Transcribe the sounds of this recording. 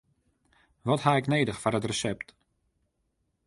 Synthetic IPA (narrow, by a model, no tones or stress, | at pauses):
ʋɔthaɪkneːdəxfarətrəsɛpt